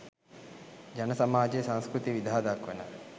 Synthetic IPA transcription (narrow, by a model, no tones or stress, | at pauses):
d͡ʒanəsamaːd͡ʒejsaŋskɾut̪iʋid̪ʱaːd̪akʋenə